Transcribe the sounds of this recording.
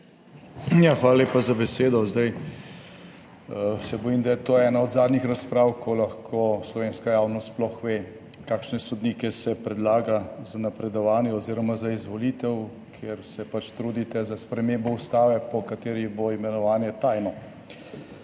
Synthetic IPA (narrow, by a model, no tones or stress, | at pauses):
jaxʋaːlaleːpazabɛseːd̪ɔzd̪aj | sɛbɔjimd̪ajɛt̪oɛːnaɔd̪zaːd̪nixɾaspɾaːwkʰɔlaxkʰoslɔʋeːnskajawnɔst̪splɔxʋeː | kaːkʃnɛsɔd̪niːkɛsɛpɾɛd̪laːɡazanapɾɛd̪ɔʋaːnjɛɔziːɾɔmazaizʋɔlit̪ɛw | kʰjeɾsɛpat͡ʃt̪ɾuːd̪it̪ɛzaspɾɛmeːmbɔust̪aːʋɛpɔkat̪eːɾiboimɛnɔʋaːnjɛt̪ajnɔ